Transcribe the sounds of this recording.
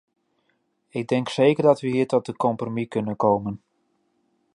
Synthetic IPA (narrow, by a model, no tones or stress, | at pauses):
ɪɡ̚dɛŋkseːkərdɑtʋəɦiːɹtɔt̚dəkɔmpromikɵnənkoːmən